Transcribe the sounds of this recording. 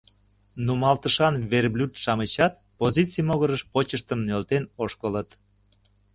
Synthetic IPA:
numɑlt̪əʃɑnβerblʲut̪ʃɑmət͡ɕɑt̪̚ | pozit͡sijmoɣəɾəʃpot͡ɕəʃt̪əmnølt̪enoʃkələt̪

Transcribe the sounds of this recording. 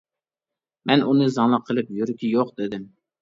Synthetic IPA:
mɛnunɨzɑŋlˠəqʰːəlˠɪpjyɾkʲʰijoqd̪ɪd̪ɪm

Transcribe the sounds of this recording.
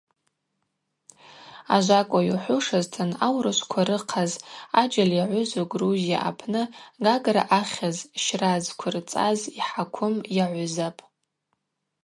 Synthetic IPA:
a̰ʒʷakʷʼajuħʷʊʂaztʰɨnawrɨʃʷkʷʰaɾɨqʰazad͡ʒaljaʕʷʊzaɡruzija̰ʔa̰pʰnɨɡaɡra̰ʔaχʲazʃrazkʷʰʊrt͡sʼa̰ziħakʷʰʊmjaʕʷʊzapʼ

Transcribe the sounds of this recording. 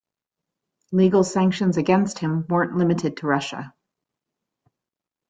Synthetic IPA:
liɡl̩ˠsæ̃ŋkʃɨ̃nzɨɡɛ̃nst̚hɨ̃mwɜ̃˞nʔlɪ̃mɨɾɨd̚tʰəɹʌʃə̰

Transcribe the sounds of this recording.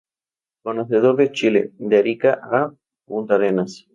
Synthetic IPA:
konoθeðoɾðet͡ʃilḛd̪eɾikaʔa | munt̪aɾenas

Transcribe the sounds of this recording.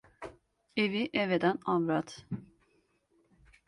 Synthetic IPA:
eviʔɛved̪ænamɾat̪

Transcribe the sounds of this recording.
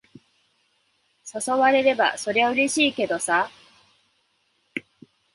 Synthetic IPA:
soso̞βaɾe̞ɾe̞ba̰so̞ɾe̞βaɯ̟ɾe̞ɕiːke̞d̪o̞sa

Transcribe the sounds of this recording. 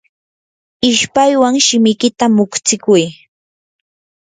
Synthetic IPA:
ɪʃpajwaŋʃɪmɪjkɪt̪amʊkt͡sɪkʊj

